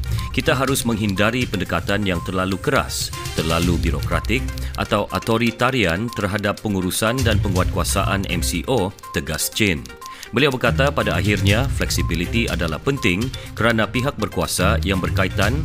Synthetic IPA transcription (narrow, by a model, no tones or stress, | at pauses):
kit̪aɦaɾʊsmə̃ŋɦindaɾipəndəkat̪anjaŋt̪ərlalukəɾa̰s | t̪ərlalubiɾokɾat̪ɪk̚ʔa̰t̪awʔa̰t̪oɾit̪aɾiant̪ərɦadapːəŋuɾusandanpəŋuat̪̚kuasaʔanʔɛ̰msiʔo | t̪əɡast͡ʃɪn | bəliawbərkat̪apadaaɦirɲaflɛksibilit̪iadala̰hpənt̪ɪŋkəɾanãpiɦak̚bərkuasajaŋbərkait̪an